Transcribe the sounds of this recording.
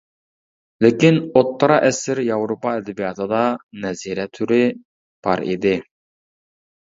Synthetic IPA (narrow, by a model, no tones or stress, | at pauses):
lɪkʲinot̪ːɑɾɑʔɛsɪɾjɑwɾopɑɛd̪ɪbijɑt̪ʰɨd̪ɑnɛziɾɛt̪ʰyɾɪ | b̥ɑɾḭd̪ɪ